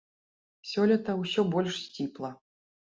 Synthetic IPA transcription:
sʲɔlʲɐt̪ɐwsʲɔbɔlʲʂsʲt͡sʲiplˠɐ

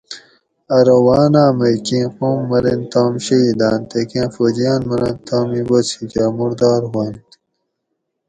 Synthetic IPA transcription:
ɐɾɐwaːnaːmɐjkĩːqomːɐɾent̪aːmɕɐid̪aːnt̪ekẽːfod͡ʑijaːnmɐɾɐ̃nt̪aːmiwot͡sʰit͡ɕamuɾd̪aːɾɦwaːnt̪i̥

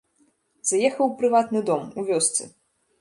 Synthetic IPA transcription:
zajɛxɐwpɾɨvat̪nɨd̪ɔmuvʲɔst̪sɨ

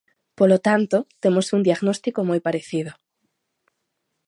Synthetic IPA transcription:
polot̪ant̪ot̪emosund̪iaɣnost̪ikomojpaɾeθið̞o

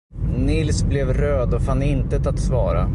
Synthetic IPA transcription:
nɪlsblɛvɾøːd̪ɔfanːɪnt̪ət̪at̪svɑːɾa̰

